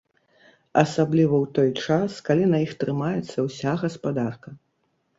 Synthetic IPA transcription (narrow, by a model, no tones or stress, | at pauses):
ɐsablʲivɐwt̪ɔjt͡ʂaskalʲinɐjixt̪ɾɨmajɛt̪sːɐwsʲaɣɐspad̪arkɐ